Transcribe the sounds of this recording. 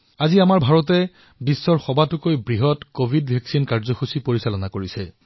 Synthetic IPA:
aziamaɹbʱaɹɔt̬ɛ | bisːɔɹxɔbatʊkojbɹiɦɔtkobʱidbʱɛksinkaɹzɔxusipoɹisalɔnakoɹisɛ

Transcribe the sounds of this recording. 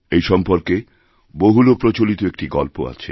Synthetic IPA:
ejʃɔmpoɾke | boɦulopɾot͡ɕolit̪oek̚ʈiɡɔlpo̰a̰t͡ɕʰḛ

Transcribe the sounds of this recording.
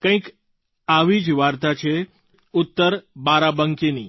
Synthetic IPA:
kə̃ĩk | aʋid͡ʒʋaɾt̪at͡ʃʰe | ʊt̪ːəɾbaɾabəŋkini

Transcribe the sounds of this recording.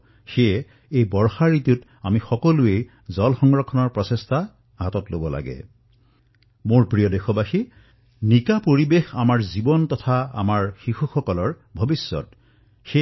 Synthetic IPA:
xeɛ | ejbɔɹxaɹitut | amixɔkɔluej | zɔlxɔŋɡɹɔkʰːɔnɔɹpɹɔsestʰa | ɦatɔtlobɔla̰ɡɛ̰ | moɹpɹijɔdexɔbaxi | nikapoɹibexamaɹzibɔntɔtʰaa̰maɹxixuxɔkɔlɔɹ | bʱobisːɔ̰t | xe

